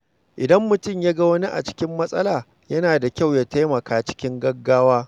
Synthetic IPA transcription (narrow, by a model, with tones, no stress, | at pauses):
ʔɪ˨dɐ˦mːʊ˨tʊ˦˨mjaː˦ɡɐ˦wɐ˦ni˦ʔa̰˨t͡ʃɪ̥˦kʲɪ˦mːɐ˦sʼɐ˦laː˨ | jɐ˦naː˨da˨kʲa˦˨wjaː˦ta˦jmɐ˨kaː˦t͡ʃɪ̥˦kʲɪ˦ŋɡɐ˦ɡːaː˦waː˦